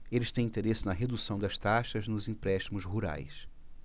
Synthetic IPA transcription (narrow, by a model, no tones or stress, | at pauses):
elɪst̪ẽj̃ĩnt̪eɾesɪnɐɦed̪usɐ̃w̃d̪ɐst̪aʃɐznʊzĩpɾɛʃt̪imʊzɦuɾa̰js